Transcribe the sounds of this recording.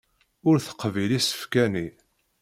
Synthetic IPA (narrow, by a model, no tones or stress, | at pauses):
ʊɾθə̥qːvilisə̥fkæni